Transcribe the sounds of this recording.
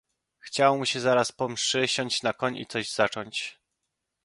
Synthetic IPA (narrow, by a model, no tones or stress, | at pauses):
xt͡ɕawmuɕɛzaɾaspɔmʂɘɕɔɲt͡ɕnakɔɲḭt̪sɔʑz̥at͡ʂɔɲt͡ɕ